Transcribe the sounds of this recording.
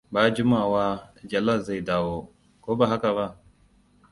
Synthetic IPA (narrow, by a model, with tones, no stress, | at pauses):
baː˦d͡ʒu˦ma˦˨waː˦d͡ʒa˨la˦˨za˦˨jda˨wo˦ | koː˦ba˨ɦa˦ka˨βa˦